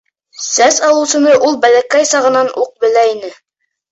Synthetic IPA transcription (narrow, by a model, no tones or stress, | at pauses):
sæsɑlˠɤ̆wsɤ̆nɤʔulˠbælækæjsɑʁɤ̆nɑnuq̚bɘ̆læinɘ